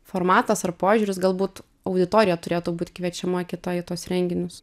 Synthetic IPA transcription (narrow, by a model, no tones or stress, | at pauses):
formɑːt̪ɐsɐrpoːʒʲuːɾʲɪsɡɐlˠbuːt̪ | ɐʊd̪ʲɪt̪oːɾʲɪjɛt̪ʊɾʲeːt̪uːbuːt̪ʲkʋʲiɛt͡ʃʲɛmɐkʲɪt̪oːɪt̪uɔsɾʲɛŋʲɡʲɪnʲʊs